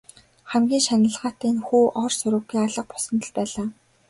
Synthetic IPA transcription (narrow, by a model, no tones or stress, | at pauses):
χæmɡʲiːŋʃanə̆ɮʁaːt̪æːnxuːʔɔrsʊɾʊ̆ɡiːaɮə̆q̚pʊ̥sə̆nt̪ə̆ɮpæːɮaː